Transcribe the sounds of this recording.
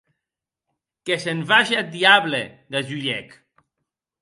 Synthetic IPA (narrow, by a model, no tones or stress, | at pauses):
keseɱvaʃead̪iaβleðaʒuʎɛk